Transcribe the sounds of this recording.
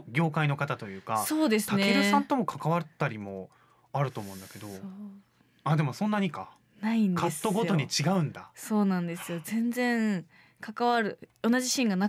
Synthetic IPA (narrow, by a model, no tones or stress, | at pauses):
ɡʲo̞ːkaino̞kat̪at̪o̞jɯ̟ːkaso̞ːd̪e̞sɨ̥aneɾɯ̟sãnt̪o̞mo̞kʰḁkaβat̪ːaɾʲimo̞ | aɾɯ̟t̪o̞ːmo̞ɯ̟̃nd̪ake̞d̪o̞ | ad̪e̞mo̞sõ̞nːaɲ̟ika̰ | naĩndkʰat̪ːoɡo̞t̪o̞ɲ̟it͡ɕiɡaɯ̟̃nd̪aso̞ːnãnd̪e̞sɨjo̞zẽ̞nzẽ̞ŋ | kakaβaɾɯ̟o̞naʑiɕĩŋɡana